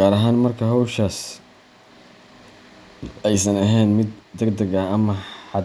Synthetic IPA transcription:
ɡaːɾɐɦaːnmɐrkʰɐɦɔwʃaːs | ɛjsɐnɐɦɛjnmɪd̪d̪ɐɡd̪ɐɣɐɐmɐħɑ

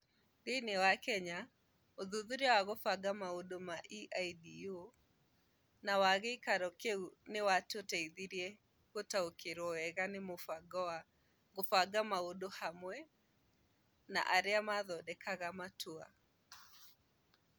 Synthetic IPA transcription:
denewakɛɲa | oðuðuɾɛwaɣofaɡamaodomaʔiʔajdio | nawaɣɛikaɾɔkeunewatotaiðiɾiɛ | ɣotaokeɾɔɛɣanemofaɡa | ɣofaɡamaodohamwɛ | na̰ʔaɾeamaðɔdɛkʰaɣamatua̰

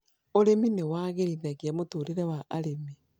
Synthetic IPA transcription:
oɾeminewaːɣeɾiðaɣjamotuːɾiɾewaʔaɾemi

